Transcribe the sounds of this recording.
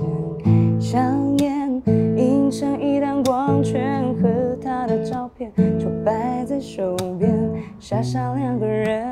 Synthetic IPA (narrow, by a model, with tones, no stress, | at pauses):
ɕjɑ˧˥ŋjɛ˥˩ni˧˥ŋʂɤ˥ŋi˥˧ɾa˧nkwɑ˧˥ŋt͡ɕʰɥɛ˧˥nxɤ˧˥t̪ʰa˥d̪ə˨˩ʈ͡ʂɑ˥˧ʊpʰjɛ˥˩nʈ͡ʂʰu˨˩pa˧˦ɪt͡sa˥˧ɪʂo˨˩pjɛ˥n | ɕja˥˧ʂa˥˧ʊlja˥˩ŋɡ̪ə˩ɻə˧˦